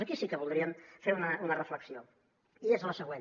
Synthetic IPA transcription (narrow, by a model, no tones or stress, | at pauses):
əkisikəβulˠd̪ɾiəmfeɾunəunərəfləksio | iezləsəɣwen